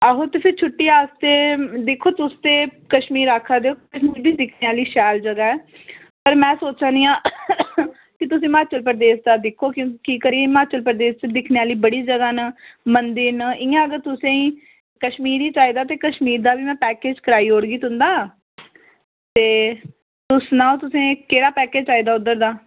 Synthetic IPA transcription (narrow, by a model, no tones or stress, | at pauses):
əɦoːt̪eːpʰɪɾt͡ʃʰʊʈːiːaːst̪eːd̪ekʰːoːt̪ʊst̪eːkəʃmiːɾaːkʰːaːd̪eoːkəʃmiːɾbiːd̪ɪkʰneːaːliːʃɛːld͡ʒəɡaːɛː | pəɾmɛ̃ːsoːt͡ʃãːnd̪iːãː | kɪt̪ʊsĩːmaːt͡ʃəlp̬əɾd̪eːsd̪aːd̪ɪkʰːoːkjõːkkiːkəɾiːmaːt͡ʃəlpəɾd̪eːst͡ʃd̪ɪkʰneːaːliːbəɽiːd͡ʒəɡaːnəmənd̪iːnɪːãːəɡəɾt̪ʊsẽːĩː | kəʃmiːɾiːt͡ʃaːiːd̪aːt̪̬eːkəʃmiːɾd̪aːbiːmɛ̃ːpɛːkeːd͡ʒkəɾaːiːɦoːɽɡiːt̪ʊnd̪aː | t̪eː | t̪ʊsnaːõt̪ʊsẽːkeːɾaːpɛːkeːd͡ʒt͡ʃaːiːd̪aːʊd̪əɾd̪aː